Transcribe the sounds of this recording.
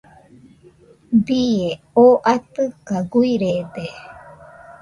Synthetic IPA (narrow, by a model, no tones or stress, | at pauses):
bie | oːʔat̪ɨkaɡuiɾed̪e